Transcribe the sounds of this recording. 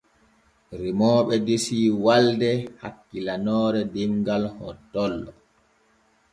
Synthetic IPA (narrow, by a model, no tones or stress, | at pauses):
ɾimɔːɓɛdisiːwaldɛha̰kːilanɔːɾɛdimɡalhɔtːɔlːɔ